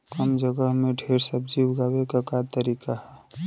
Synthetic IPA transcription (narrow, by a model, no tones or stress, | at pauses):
kəmd͡ʒəɡəɦmeɖʱeɾsəb̚ʱd͡ʒiwɡaːwekakat̪əɾikaɦɛ